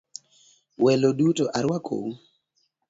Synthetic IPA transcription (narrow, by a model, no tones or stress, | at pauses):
wɛlodutoʔaɾwakʰo̰wu